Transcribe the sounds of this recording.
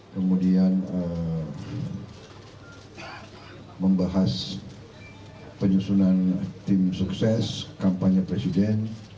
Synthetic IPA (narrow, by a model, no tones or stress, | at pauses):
kəmudianə | məmbaɦas | pəɲusunant̪imsuksɛskampaɲəpɾesidɛn